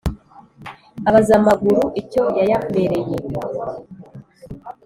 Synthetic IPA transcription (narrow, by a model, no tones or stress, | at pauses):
aβazamaɡuɾuʔico̞jajake̞ɾe̞je